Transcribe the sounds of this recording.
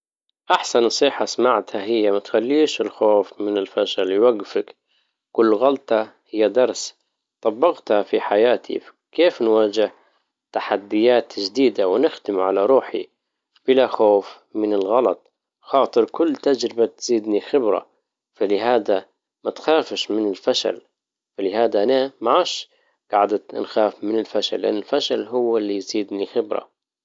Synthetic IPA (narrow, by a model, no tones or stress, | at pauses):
ʔaħsanːɑsˤiːħɑsmaʕt̪haɦɪjːamat̪xalːiːʃɪlxoːfmɪnɪlfaʃalwaɡfɪk | kʊlːɣɑlt̪ˤɑhɪjːad̪ɑɾˤs | t̪ˤɑbːɪɣt̪hafiħajaːt̪ʰḭ | keːfnwaːd͡ʒɪh | t̪aħad̪ːɪjaːt̪d͡ʒd̪iːd̪awnɪxd̪ɪmʕalaɾˤuːħḭ | b̥ɪlaxoːf | mɪnɪlɣɑlɑt̪̚ˤ | xɑːt̪ˤɨɾkʊlːt̪ad͡ʒɾɪbat̪z̥iːd̪nixɪbɾa̰ | falɪɦaːd̪a | mat̪xaːfʃmɪnɪlfaʃa̰l | falɪhaːd̪aʔanamaʕaːʃ | ɡ̥aʕd̪at̪nxaːfmɪnɪlfaʃa̰lːɪʔa̰nːɪlfaʃalɦʊwːɪlːijz̥iːd̪nixɪbɾa̰